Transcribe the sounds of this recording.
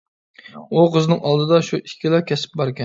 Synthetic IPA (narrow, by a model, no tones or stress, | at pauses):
uqʰəznɨŋʔɑlˠd̪ɨd̪ɑʃuʔikʲʰːilˠɑkʲɛsɪ̥p̚bɑɾkʲɛn